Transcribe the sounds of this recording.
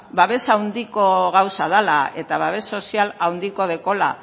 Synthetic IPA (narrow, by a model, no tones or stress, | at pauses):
baβe̞sawnd̪iko̞ɣawsaðala̰e̞t̪aβaβe̞so̞sialawnd̪iko̞ð̞eko̞la̰